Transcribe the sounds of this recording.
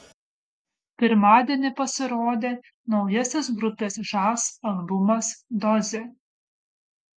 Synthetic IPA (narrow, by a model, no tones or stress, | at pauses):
pʲɪɾmɑːd̪ʲeːnʲɪpɐsʲɪɾoːd̪ʲeː | nɒʊjɛsʲɛsɡɾʊpʲeːsʒɑːsɐlˠbʊmɐsd̪ɔzʲe